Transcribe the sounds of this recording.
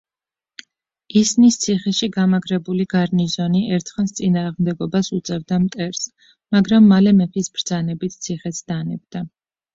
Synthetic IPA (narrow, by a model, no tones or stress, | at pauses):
isnist̪sʰiχɛʃiɡamaɡɾɛbuliɡ̥aɾnizɔniʔɛɾt̪ʰχɛnst̪sʼinaːʁmd̪ɛɡɔbasut̪sʼɛvd̪amt̪ʼɛɾs | maɡɾamːalɛmɛpʰisbɾd̪zanɛbit̪̚ʰt̪sʰiχɛt̪sd̪̥anɛb̚d̪a